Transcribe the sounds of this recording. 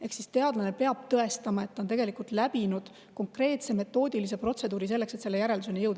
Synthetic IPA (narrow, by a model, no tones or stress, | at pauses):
e̞hksist̪e̞ɑd̪̥lɑne̞pe̞ɑb̥̚t̪ɤe̞st̪ɑmɑe̞t̪ːɑont̪eɡe̞likˑult̪læb̥inud̪̥ | ko̞ŋkre̞ːt̪se̞me̞t̪ːo̞ːd̪̥ilis̬e̞pro̞t̪se̞d̪uːɾis̬e̞lːe̞kse̞t̪se̞lːe̞jæɾeld̪usenejɤwd̪ɑ